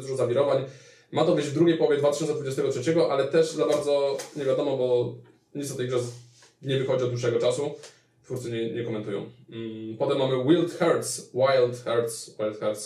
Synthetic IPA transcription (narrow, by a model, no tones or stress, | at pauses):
d̪uʐɔzavʲiɾɔvaɲ | mat̪ɔvʲjeʑvd̪ɾuɡʲejpɔwɔvʲjɛd̪vat̪ɘɕɔnsɛd̪vud͡ʑeɛst̪ɛɡɔtʂɛt͡ɕɛɡɔʔalɛt̪ɛʂzabaɾd̪zɔɲɛvʲjad̪ɔmɔbɔ | ɲit̪sɔt̪ɛjɡʐɛ | ɲɛvɘxɔd͡ʑiɔd̪wuʂ̬ɛɡɔt͡ʂasu | t̪fuɾt̪sɛɲɛɲɛkɔmɛnt̪ujɔ̰̃w̃pɔt̪ɛmːamɘwilt̪xɛɾt̪swajlt̪xɛɾt̪swajlt̪xɛɾt̪s